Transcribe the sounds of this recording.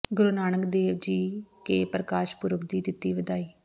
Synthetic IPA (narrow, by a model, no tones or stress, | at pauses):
ɡʊɾunaːnəkd̪eːʋd͡ʒiːkeːpɾəkaːʃpʊɾəkd̪iːd̪ɪt̪ːiːʋəd̪aːiː